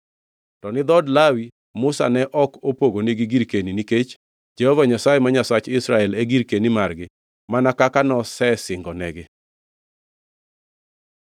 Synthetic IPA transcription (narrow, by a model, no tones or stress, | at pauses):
tɔnɪd̪ɔdlawi | mʊsa̰nɛʔɔkopoɡoneɡiɡiɾkeniniket͡ʃ | d͡ʒɛhɔvaɲasajɛmaɲasat͡ʃɪsɾaɛleɡiɾkenimarɡɪ | manakakanɔsɛsɪŋɡɔnɛɡɪ